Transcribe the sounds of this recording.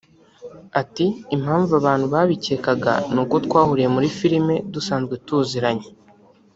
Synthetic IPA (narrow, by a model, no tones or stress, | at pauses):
atiːmhaːɱvuaβaːn̥huβaːβice̞kaɡa̰nukotkwaːhuɾije̞muɾifiɾime̞dusaːnzɡwetuːziɾaɲe